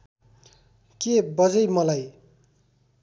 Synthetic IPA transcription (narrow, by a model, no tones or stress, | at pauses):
kebʌd͡zʌjmʌlaj